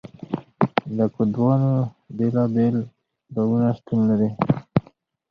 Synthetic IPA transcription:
d̪əkud̪wɑno | belɑbel | baɡunast̪unlaɾi

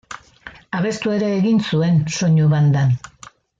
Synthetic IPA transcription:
aβe̞st̪ue̞ɾeːɣinsue̞nso̞ɲuβand̪an

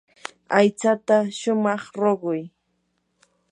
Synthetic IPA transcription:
ajt͡sat̪aʃʊmɑχɾoɢʊj

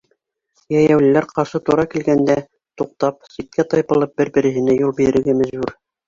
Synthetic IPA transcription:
jæjæwlɘ̆læɾqɑɾʃɤt̪uɾɑkilɡænd̪æ | t̪uq̚t̪ɑp̚sit̪̚kæt̪ɑjpɤ̆lˠɤp̚bɘɾbɘ̆ɾɘ̆ɦɘ̆næjulˠbiɾɘ̆ɾɘ̆ɾɡæmæʑbʉɾ

